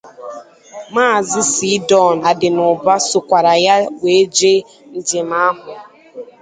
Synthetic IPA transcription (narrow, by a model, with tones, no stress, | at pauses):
maː˦˨zɪ˦si˦dɔ˦˨na˨dɪ˨nʊ˨ba˦sʊ˨kʷa˨ɾa˨ja˦we˨˦d͡ʒe˦ | n̩˨d͡ʒɪ˨ma˦ɦʊ˨